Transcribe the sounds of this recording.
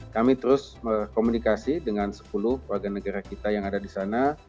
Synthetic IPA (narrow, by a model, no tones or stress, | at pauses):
kamit̪əɾʊsmərkomunikasidəŋansə̥pulʊhwarɡanəɡaɾakit̪ajaŋadadisana